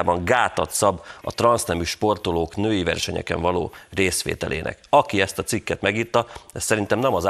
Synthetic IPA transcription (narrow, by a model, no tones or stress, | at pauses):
bɒŋɡaːt̪ɒt̪sɒbːɒ̰t̪rɒnsnɛmyʃpo̞rt̪oloːknøːjivɛ̰rʃɛɲɛ̰kɛ̰ɱvɒloːreːsʋḛːt̪ɛ̰lʔḛːnʔɛ̰kɒkiɛst̪ɒt̪sikːɛt̪mɛɡiːt̪ːɒɛst̪sɛɾint̪ɛmnɛmɒz